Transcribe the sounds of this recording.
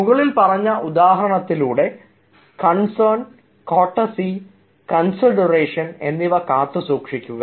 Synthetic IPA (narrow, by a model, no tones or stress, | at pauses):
muɣɐɭilpɐrɐɲːɐʔud̪aːɦɐɾɐɳɐt̪ːiluːɽe̞ | kɐɳsɐrn | koːʈːɐsi | kɐnsiɖɐreːʂɐne̞nːiʋɐkaːt̪ːɨsuːkʂikʲːuɣɐ